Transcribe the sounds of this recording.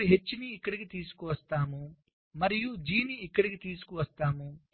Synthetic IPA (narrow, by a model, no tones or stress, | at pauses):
ɦe̞t͡ʃːiniːkːɐɽikit̪iːsu̥kuʋɐst̪aːmu | mɐɾijud͡ʒiːniːkːɐɽikit̪iːsu̥kuʋɐst̪aːmu